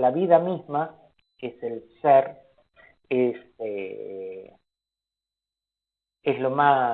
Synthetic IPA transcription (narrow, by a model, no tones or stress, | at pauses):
laβiðamizma | ese̞lseɾ | ese | eslo̞ma